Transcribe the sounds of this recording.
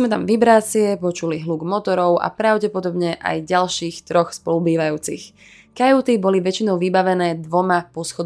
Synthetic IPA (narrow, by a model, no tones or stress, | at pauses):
mɛt̪amʋibɾaːt͡sɪɛpɔt͡ʃuliɦluːɡmɔt̪ɔɾɔʊʔa̰pɾaʊɟɛpɔd̪ɔbɲɛʔa̰jɟalʃiːxt̪ɾɔxspɔlubiːʋajuːt͡six | kajut̪ibɔliʋɛt͡ʃinɔʊʋibaʋɛnɛːd̪ʋɔmapɔsxɔd̪